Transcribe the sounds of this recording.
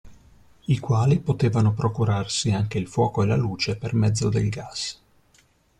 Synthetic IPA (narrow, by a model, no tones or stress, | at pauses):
ikwaːlipot̪eːvanopɾokuɾarsiaŋk̟eilfwɔːkoelaluːt͡ʃepermɛd̪zːod̪elɡas